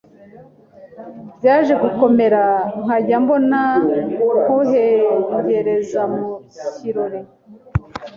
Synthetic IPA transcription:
bjaːʒe̞ɡuko̞me̞ɾaŋ̥aɟambo̞na | ŋoɦeuhe̞ɾe̞zamuciɾoɾe

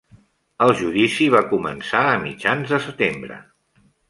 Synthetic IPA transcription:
əlˠʒuðisiβ̞akumə̰nsaəmḭd͡ʒanzðəsət̪embɾə̰

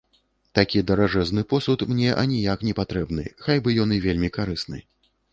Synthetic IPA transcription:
t̪akʲid̪ɐɾaʐɛznɨpɔsut̪mnʲɛʔɐ̰nʲijaknʲɛpat̪ɾɛbnɨ̰xajbɨjɔnɨvʲelʲmʲikaɾɨsnɨ̰

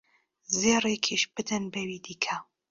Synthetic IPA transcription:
zeːrekʰiʃb̥ɨd̪ɨnbɐwid̪iːkʰɐ

